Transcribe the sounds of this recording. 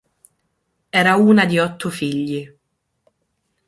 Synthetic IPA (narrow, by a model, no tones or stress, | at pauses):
ɛːɾauːnad̪iɔt̪ːʊfiʎːi